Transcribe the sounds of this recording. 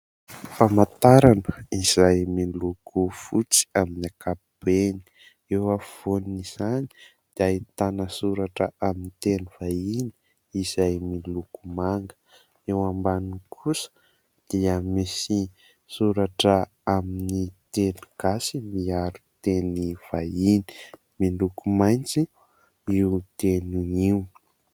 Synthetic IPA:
famat̪aɾanəizajmilukʰufut͡si̥aminiakapib̥eni̥ | ewav̥oniz̥ani̥ | d̪̥iat̪anəsuɾaʈ͡ʂəaminit̪eniv̥aini̥ | izajmilukumaŋɡə̥ | ewambanikʰusə̥ | d̪̥iəmisi | suɾaʈ͡ʂə | aminit̪enuɡ̥asimiaɾut̪eniv̥aini̥ | milukumajnt͡si | iut̪enuiw

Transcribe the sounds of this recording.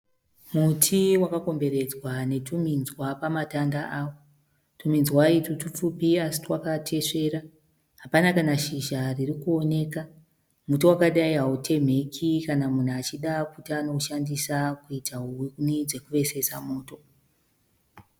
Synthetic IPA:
mutʰiwakako̞mbe̞ɾe̞d͡zwane̞tuminzwapamatandaʔaːwo | tuminzwaitutup͡fupiasi̥twakatʰe̞ʂe̞ːɾa | ɦapanakanaʃiʒaririkuo̞ne̞ːka | mutiwakaɗaiɦautʰe̞m̤e̞kʰikanamun̤uat͡ʃiɗakutiano̞uʃandisakuitaɦuwinid͡ze̞kuʋe̞se̞samo̞ːto̞

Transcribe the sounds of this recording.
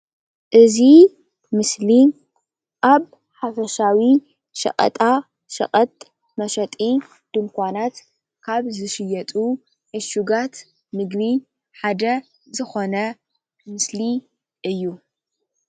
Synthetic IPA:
ʔɨzi | mɨsli | ʔaβ | ħafɐʃawi | ʃɐ̰kʼɐ̰t̪ʼa | ʃɐ̰χʼɐt̪ʼ | mɐʃɐt̪ʼi | d̪̥ɨŋkʷʰanat̪ | kʰaβzɨʃɪjɐt̪ʼu | ʕɨʃuɡat̪ | nɨɡβi | ħad̪ɐ | zɨxo̞nɐ | mɨsli | ʔɨjːu

